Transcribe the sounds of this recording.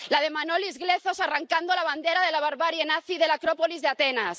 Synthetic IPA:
lað̞emanolizɣleθosaraŋkand̪olaβ̞and̪eɾaðelaβ̞aɾβaɾjenaθiðelakɾopolizðeat̪enas

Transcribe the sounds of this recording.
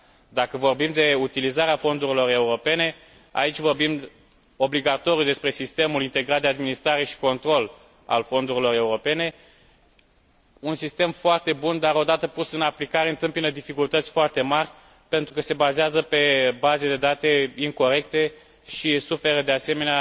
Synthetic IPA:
d̪akəvo̞rbimd̪e̞ut̪ilizaɾeafo̞nd̪uɾilo̞re̞uɾo̞pe̞ne̞ | a̰it͡ʃʲvo̞rbim | o̞bliɡat̪o̞ɾjud̪e̞spɾe̞sist̪e̞mulint̪e̞ɡɾat̪d̪ead̪minist̪ɾaɾe̞ʃi̥ko̞nt̪ɾo̞l | a̰lfo̞nd̪uɾilo̞ɾe̞uɾo̞pe̞ne̞ | unsist̪e̞mfoart̪e̞bund̪aɾo̞d̪at̪əpusɨnaplikaɾeɨnt̪ɨmpinəd̪ifikult̪ət̪sʲfoart̪e̞marʲ | pe̞nt̪ɾukəse̞bazeazəpe̞bazed̪e̞d̪at̪e̞iŋko̞ɾe̞k̚t̪e̞ | ʃisufe̞ɾəd̪e̞ase̞me̞nea

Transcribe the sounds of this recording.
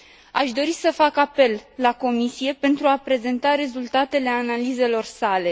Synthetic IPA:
a̰ʃd̪o̞ɾisəfakape̞lːako̞misije̞pe̞nt̪ɾuapɾe̞ze̞nt̪aɾe̞zult̪at̪e̞le̞analize̞lo̞rsale̞

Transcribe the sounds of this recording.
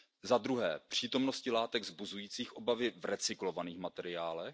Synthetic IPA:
zad̪ɾuɦɛːpr̝̥iːt̪o̞mno̞scɪlaːt̪ɛɡzbuzujiːt͡siːxʔo̞bavɪvɾɛt͡sɪklo̞vaniːxmat̪ɛɾɪaːlɛx

